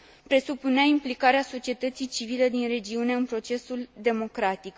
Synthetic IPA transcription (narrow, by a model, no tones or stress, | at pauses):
pɾe̞supuneaimplikaɾeaso̞t͡ʃie̞t̪ət̪sijt͡ʃiviled̪inre̞d͡ʒiune̞ɨnpɾo̞t͡ʃe̞suld̪e̞mo̞kɾat̪ik